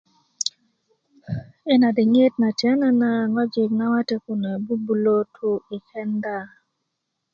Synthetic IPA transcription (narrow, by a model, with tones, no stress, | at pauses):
ɛ˦na˨dɪ˨ŋe˦tna˨tjɛ˦na˦na˦ŋɔ˦d͡ʒɪ˨k̚na˦wa˦te˦ku˨na˨bu˦bu˨lo˦tʰu˦ɪ˨kɛ˦nda˦˨